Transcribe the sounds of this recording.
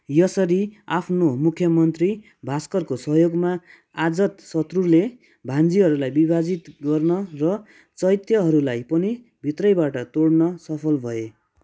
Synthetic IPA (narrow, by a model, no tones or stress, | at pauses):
jʌsʌɾiapʰnomukʰjʌmʌnt̪ri | bʱaskʌrkosʌɦjoɡma | ad͡zʌt̪sʌt̪rule | bʱand͡ziɦʌɾulajbibʱad͡zit̪ɡʌrnʌrʌ | t͡sʌjt̪jʌɦʌɾulajpʌni | bʱit̪rʌjbaʈʌt̪oɽnʌsʌpʰʌlbʱʌe